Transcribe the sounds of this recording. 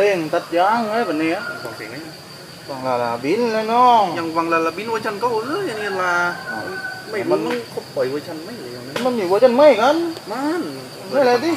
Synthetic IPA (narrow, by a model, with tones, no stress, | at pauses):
leː˧˩ŋt̪a˧t̪̚jaː˧˥˨ŋlaː˧˦˨ba˨ni˧˥a˧˩kʰɔ˨˩ŋsi˨˦ŋa˧˦˧ | wa˧˩ŋlaː˧˩la˧˩bi˧˥nla˧nɔː˧˩ŋɲa˧ŋwa˧˨ŋlaː˧la˧˩bi˧˦nwaː˧˦jt͡ɕʰa˧˩nka˧˩wlɯː˧˥˨ja˧˨i˧tlaː˧a˨˩˧ma˧˩˨ma˧˨nma˧˥˨ŋkʰo˧˩p̚t̪ɔ˨˦jwoː˧t͡ɕʰa˧˥˨nma˧˥˨jla˨˦a˧˩˧ma˧˨nmiː˧˩woː˧t͡ɕʰa˧˥˨nma˧˥˩jka˧˥˨nma˧˨n˧ | a˧˨la˧di˧˩